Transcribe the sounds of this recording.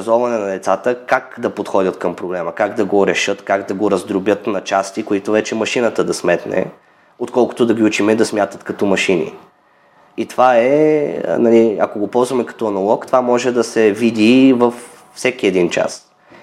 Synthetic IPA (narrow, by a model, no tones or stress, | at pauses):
zɔvɐnɛnɐd̪ɛt̪sat̪əkakd̪ɐpot̪xɔd̪ʲət̪kəmpɾoblɛməkaɡd̪ɐɡoɾɛʃɤt̪kaɡd̪ɐɡoɾɐzd̪ɾobjət̪nɐt͡ʃast̪ikoit̪ovɛt͡ʃɛmɐʃinət̪əd̪ɐsmɛt̪nɛ̰ | ot̪kɔlˠkʊ̥t̪ʊd̪ɐɡʲiut͡ʃimɛd̪ɐsmʲjat̪ət̪kɐt̪ɔmɐʃinḭ | it̪ovaɛ̰ | nɐliɐ̰koɡopɔlˠzvɐmɛkɐ̥t̪ɔɐnɐlˠɔkt̪ovamɔʒɛd̪ɐsɛvid̪ivəf | fsɛkiɛd̪int͡ʃa̰s